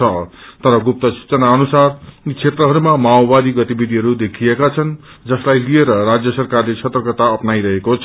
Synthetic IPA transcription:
ʌt̪ʌɾʌɡup̚t̪ʌsu̥t͡sʌnaʌnusart͡sʰet̪rʌɦʌɾumamaobad̪iɡʌt̪ibid̪ʱiɦʌɾud̪ekʰiekat͡sʰʌn | d͡zʌslajlieɾʌɾad͡zjʌsʌrkarlet͡sʰʌt̪rʌkʌt̪aʌpnaiɾʌɦekot͡sʰ

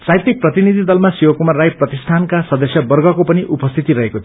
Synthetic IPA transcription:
sajt̪ik̚prʌt̪inid̪ʱid̪ʌlmasiwʌkumarːajprʌt̪ist̪ʰankasʌd̪ʌsjʌbʌrɡʱʌkopʌniʔupʌst̪ʰit̪iɾʌɦekot̪ʰ

